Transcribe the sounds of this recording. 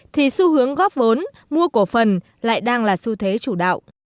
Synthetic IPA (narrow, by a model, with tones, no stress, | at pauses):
t̪ʰi˨˩su˧hɨ˨˦əŋɣɔ˦˥p̚və˨˦n | mu˧əku˧˩əfə˨˩n | la̰ː˧˨jɗaː˧ŋlaː˨˩su˧t̪ʰwe˨˦t͡ɕu˧˩ɗa̰ː˧˨wʔ